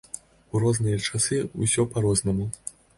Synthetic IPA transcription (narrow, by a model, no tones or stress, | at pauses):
uɾɔznɨjɐt͡ʂasɨṵsʲɔpaɾɔznɐmu